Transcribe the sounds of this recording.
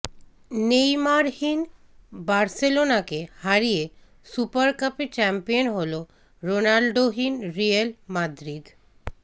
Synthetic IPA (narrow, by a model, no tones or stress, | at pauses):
nejmaɾhin | baɾselonakehaɾije | supaɾkapet͡ɕɛmpijonɦolo | ɾonalɖoɦinɾialmad̪ɾid̪